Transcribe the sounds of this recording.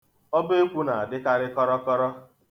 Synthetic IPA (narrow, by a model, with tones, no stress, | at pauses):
ɔ˦be˦kʷu˦na˨a˨dɪ˦ka˦ɾɪ˦kɔ˦ɾɔ˦kɔ˦ɾɔ˦